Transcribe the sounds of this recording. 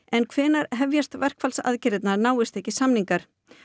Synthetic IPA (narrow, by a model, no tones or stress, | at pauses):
ɛnkʰvɛːnaɾɦɛvjast̪vɛr̥kfalsa̰ðcɪɾɪt̪naɾnaːwɪst̪ɛhcɪsamniŋkaɾ̥